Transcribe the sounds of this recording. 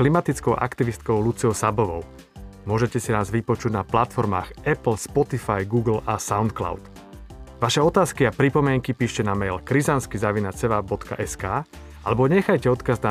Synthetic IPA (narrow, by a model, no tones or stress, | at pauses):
klimat̪it͡skɔʊʔa̰kt̪iʋist̪̚kɔʊlut͡siɔʊsabɔʋɔ̰ʊ | mʊɔʒɛcɛsinaːzʋipɔt͡ʃuɟnaplat̪fɔɾma̰ːxɛpl̩spɔt̪ifajɡuːɡl̩asaʊnt̪kla̰ʊt̪ | ʋaʃɛɔt̪aːskiapɾipɔmɪɛŋkipiːʃcɛnamɛjlkɾizanskizaʋinat͡sɛʋabɔt̪ka̰ʔɛskaː | ʔalɛbɔɲɛxajcɛɔt̪kazna